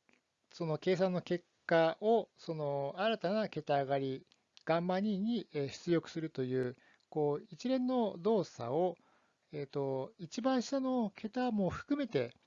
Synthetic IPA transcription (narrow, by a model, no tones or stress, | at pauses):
so̞no̞ke̞ːs̬ãnːo̞ke̞kːaʔo̞so̞no̞aɾat̪anake̞t̪aːɡaɾʲi | ɡ̥ãmbãɲ̟ːĩɲ̟ːieɕi̥t͡sɨjo̞kɯ̟̥sɨɾɯ̟t̪o̞jɯ̟ː | ko̞ːit͡ɕiɾẽ̞nːo̞d̪o̞ːsa̰o̞ | e̞ːt̪o̞it͡ɕibãɰ̃ɕi̥t̪ano̞kʰe̞t̪amo̞ɸɯ̟̥kɯ̟me̞t̪e̞